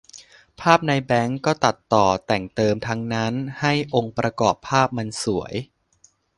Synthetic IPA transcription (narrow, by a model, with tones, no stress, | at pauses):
pʰaː˥˩p̚na˧jbɛ˦˥ŋkɔː˥˩t̪a˨˩t̪ːɔː˨˩t̪ɛ˨˩ŋt̪ɤː˧mt̪ʰa˦˥ŋna˦˥nha˥˩jʔo˧ŋpɾa˧kɔː˨˩pʰːaː˥˩p̚ma˧nsu˩˦əj